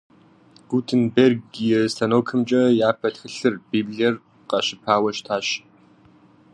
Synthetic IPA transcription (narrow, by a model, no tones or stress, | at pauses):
ɡ̥utʰɨnberɡijɛstʰɐnoːkʰɨmt͡ʃʼɐjaːpʰɐtxɨɬɨrb̥iːbliɛr | qɐɕɪpʰaːwɐʃtʰaːɕ